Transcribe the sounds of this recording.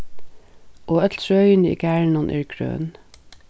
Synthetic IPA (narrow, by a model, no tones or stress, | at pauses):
ʔoːœt̪ʰɹœʏənḭːɡæːɳɔnʔɪ̰ːɹɡʰɹø̰ːn